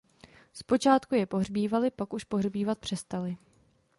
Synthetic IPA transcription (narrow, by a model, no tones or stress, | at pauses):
spo̞t͡ʃaːt̪kujɛpo̞ɦrbiːvalɪpakuʃpo̞ɦrbiːvat̪̚pr̝̥ɛst̪alɪ